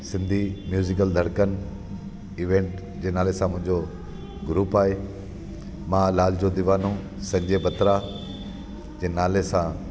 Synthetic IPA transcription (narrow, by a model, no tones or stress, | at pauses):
sɪ̃nd̪ʱimjuːzɪkəld̪ʱɐɽkənɪ̆ | iːʋẽːɳʈ | d͡ʑeːnaːlesãmʊ̃ɦɪ̃ɲd͡ʑo | ɡʊɾuːpaːɦe | mãːlaːl̤d͡ʑod̪ɪʋaːnõ | sɐ̃ɲd͡ʑebɐt̪ɾa | d͡ʑẽːnaːlesã